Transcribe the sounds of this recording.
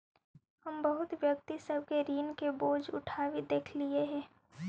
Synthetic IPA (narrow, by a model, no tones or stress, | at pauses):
hɐmbɐɦʊt̪ʋjɐk̚t̪isəb̚keɾiːnkeboːd͡ʒʊ̰ʈʰaːʋed̪eːkʰlieɦɛ̃ː